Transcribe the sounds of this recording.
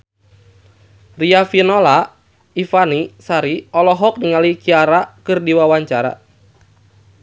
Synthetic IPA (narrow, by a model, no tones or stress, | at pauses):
riafinɔla | ifanisaɾiɔlɔɦɔk̚niŋalikiaɾakɨrdiwawaɲt͡ʃaɾa̰